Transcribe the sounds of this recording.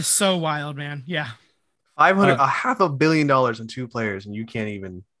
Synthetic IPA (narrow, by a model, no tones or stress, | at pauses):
soʊwaɪlˠd̚mæ̃njæ | faɪv̥hʌ̃ndɾəhæfʌbɪlˠjɨ̃ndɔlˠə˞z̃n̩tʰʉpʰl̥eɪə˞zɨ̃n̩jɨkʰæ̃ntivɨ̃n